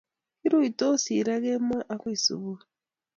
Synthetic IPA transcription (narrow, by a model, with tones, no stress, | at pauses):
ki˦ɾu˦i˨to˦si˨ɾa˦ɣe˦ma˦ʔa˦kwi˦˨sṵ˨βu˦